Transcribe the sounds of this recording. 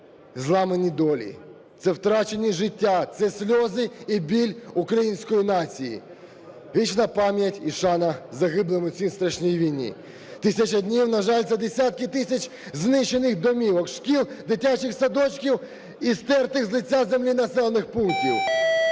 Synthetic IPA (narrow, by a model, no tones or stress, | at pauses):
zlˠɑmenʲid̪ɔlʲḭ | t̪sɛwt̪ɾɑt͡ʃenʲiʒɪtʲːat̪sɛsʲlʲɔzɪibʲilʲukɾɐjinʲsʲkɔjinɑt͡sʲijḭ | ʋʲit͡ʃnɐpɑmʲjɐtʲiʃɑnɐzɐɦɪblˠemʊsʲinst̪ɾɐʃnʲijiʋʲijnʲḭ | t̪ɪsʲɐt͡ʃɐdʲnʲiwnɐʒɑlʲt̪sɛd̪esʲat̪̚kɪt̪ɪsʲɐt͡ʃʲ | znɪʃe̞nɪxd̪ɔmʲiwɔkʃkʲilˠd̪ɪtʲat͡ʃɪxsɐd̪ɔt͡ʃkʲiw | ist̪ɛrt̪ɪxzlˠɪtʲːazemlʲinɐsɛlˠɐnɪxpultʲiw